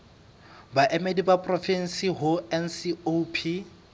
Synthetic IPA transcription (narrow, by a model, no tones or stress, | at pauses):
baʔemedibapʼrɔfɛn̩siɦʊɛnsiopʰi